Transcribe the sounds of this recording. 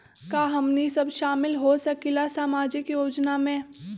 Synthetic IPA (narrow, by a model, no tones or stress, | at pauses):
kaːɦɐmnisɐbʃaːmɪlɦosɐkilasaːmaːd͡ʒɪkjoːd͡ʒnamẽː